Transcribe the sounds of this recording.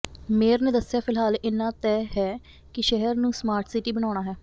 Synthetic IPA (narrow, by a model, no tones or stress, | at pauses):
meːɾnẽːd̪əsjaːpʰɪlɦaːlɪnːãːt̪ɛːɦɛː | kɪʃɛɦəɾnũːsmaːɾʈsiʈiːbəɽ̃aːʊɽ̃aːɦɛː